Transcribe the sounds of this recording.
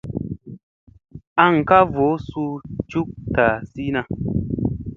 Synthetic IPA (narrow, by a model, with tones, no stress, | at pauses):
a˦ŋ̩˨ka˦vo˨˦su˧t͡ʃu˦k̚ta˨si˦na˧